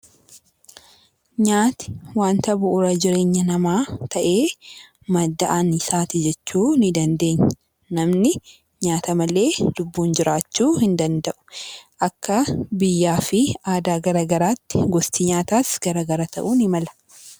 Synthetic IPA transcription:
ɲaːt̪ɪ̥waːnt̪ɐbʊʔʊɾɐd͡ʒɪɾe̞ːɲːɐnɐmaːt̪ʰɐʔe̞ː | mɐd̪ːɐʔanɪsaːt̪ɪd͡ʒɛt͡ʃːuːnɪd̪ɐnd̪e̞ːɲːɐ | nɐmnɪ | ɲaːt̪ɐmɐle̞ːlʊbːuːnd͡ʒɪɾaːt͡ʃːuːhɪnd̪ɐnd̪ɐʔʊ̥ʔɐkːɐbɪjːaːfɪaːd̪aːɡɐɾaːɡɐɾaːt̪ːɪ̥ɡɔst̪iɲaːt̪aːsɡɐɾaɡɐɾat̪ɐ̰ʔuːnɪmɐlɐ̥

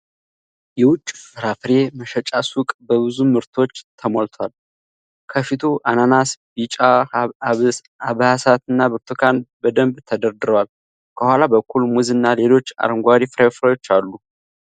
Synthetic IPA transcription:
jɛwʊt͡ʃʼːfɨɾafɾe̞məʃət͡ʃʼasukʼbəβɨzumɨɾt̪ʰo̞t͡ʃːt̪ʰəmolt̪ʰwal | kʰəfit̪ʰuʔananasbit͡ʃʼa | aβhasat̪ɨnːabɨɾt̪ʰukʰanbəd̪əmbt̪ʰəd̪əɾd̪ɨɾəwal | kʰəhʷwalabəkʰːulmuzɨnːale̞lo̞t͡ʃːa̰ɾəŋɡʷaɾifɾafɾajo̞t͡ʃːalːu

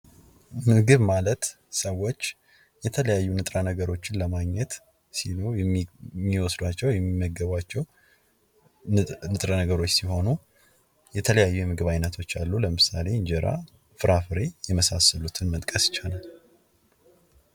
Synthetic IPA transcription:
mɨɡɨβmalət̪ | səwːo̞t͡ʃː | jɛt̪ʰələjajːunɨt̪ʼɾanəɡəɾo̞t͡ʃːɪnləmaɡɲɛt̪ | siloɛmːiwɔsd̪wat͡ʃːɛwjɛmːimːəɡːəβat͡ʃːɛw | nɨt̪ʼɾanəɡəɾo̞t͡ʃːsiho̞nu | jɛt̪ʰələjajːujɛmɨɡɨβajnːət̪ʰo̞t͡ʃːalːuləmɨsale̞ɨɲd͡ʒɛɾa̰ | fɨɾafɨɾe̞jɛməsasəlut̪ʰɨnmət̪ʼkʼəsɪ̥t͡ʃːanal

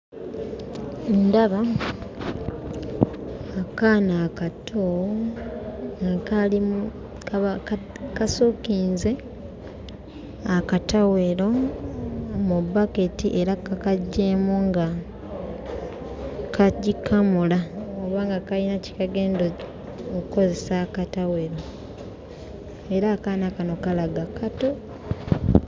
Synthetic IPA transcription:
ndaβa | akaːnakatʰo | ŋɡakalimu | kasokiːnze̞ | akataweɾo̞ | mubaketiʔeɾakakaɟːeːmuŋɡa | kʰaɟikʰamulaoβaːŋɡakalinaci̥kaɡeːndo | okuko̞ze̞sakataweɾo̞ | eɾakanakano̞kalaɡakato̞

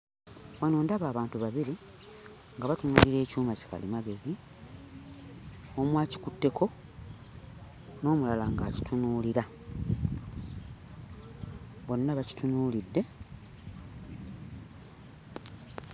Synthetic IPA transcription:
wanoːndaβaːβaːntuβaβiɾi | ŋɡaβatunuːliɾe̞ːcuːmaci̥ka̰lḭmaɡe̞zi | o̞mwaːci̥kutːe̞kʰo̞ | no̞ːmulalaŋɡaːci̥tʰunuːliɾa | βo̞nːaβaci̥tunuːlidːe̞

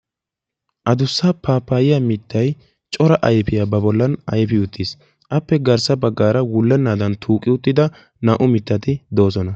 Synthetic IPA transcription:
ʔɐd̪ʊsːapaːpːaːjɪjamɪt̪ʰːɐj | t͡ʃʼɔɾɐʔɐjpɪjaːbɐbɔlːɐnɐjpɪʊt̪ːɪs | ʔɐpːɛɡɐɾsɐbɐɡːaːɾɐwʊlːɛnːaːd̪ɐnt̪ʰuːkʼːɪʊt̪ːɪd̪ɐ | nɐʔʊmɪt̪ːɐt̪ɪd̪o̞ːsɔnɐ

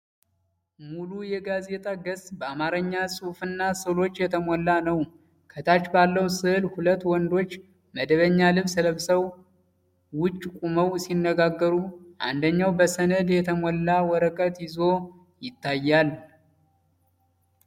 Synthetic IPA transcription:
mulujɛɡaze̞t̪ʼaɡəsbəamaɾəɲːasʼufɨnːasɨlo̞t͡ʃːjɛt̪ʰəmɔlːanəw | kʰət̪ʰat͡ʃːbalːəwsɨhɨlhulət̪ːwɔnd̪o̞t͡ʃː | məd̪əβəɲːalɨβsɨləβsəw | wʊt͡ʃʼːkʼuməwsinːəɡaɡːəɾuʔa̰nd̪əɲːawbəsənəd̪jɛt̪ʰəmɔlːawɔɾəkʼət̪jɪzo̞ | jɪt̪ʰːajːal

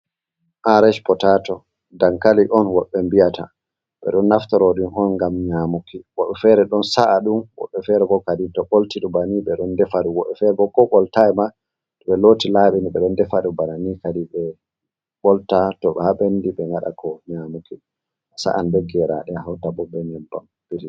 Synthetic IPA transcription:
ʔaɾɛʃpɔtatɔ | daŋkaliʔɔnwɔɓːɛmbiata | ɓɛ̰ɗɔnːaftɔɾɔɗunɦɔnŋɡamɲamukiwaɓɛfɛɾɛɗɔnsaʔːɗumwɔ̰ɓːɛfɛɾɛbɔkaditɔɓoltiɗubaniɓɛɗɔndɛfaɾuwɔɓːɛfɛɾɛbɔkɔɓɔltaɛma | tɔɓɛlotilaɓiniɓɛɗɔndɛfadubananikadiɓɛ | ɓɔltatɔɓɛhaɓendiɓɛŋɡaɗa̰kɔɲamuki | sa̰ʔandeɡɛɾa̰ɗɛhawtabɔɓɛɲɛmbam | b̥iɾi

